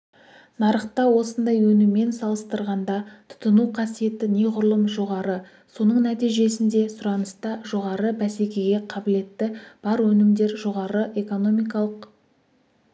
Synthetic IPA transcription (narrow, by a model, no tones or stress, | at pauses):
nɑɾəχt̪ɑwo̞sənd̪ɑjwɵnɪmːe̞nsɑlˠəst̪əɾʁɑnd̪ɑt̪ʰʊ̥t̪ənuqʰɑsije̞t̪ɪne̞qʰʊɾlˠəmʒo̞ʁɑɾə | so̞nəɴnæt̪ijʒe̞sɪnd̪e̞sʊɾɑnəst̪ɑʒo̞ʁɑɾəbæse̞kʲeɡʲe̞qʰɑbɪle̞t̪ːɪb̥ɑɾwɵnɪmd̪e̞ɾʒo̞ʁɑɾəʔe̞ko̞no̞mijkɑlˠəq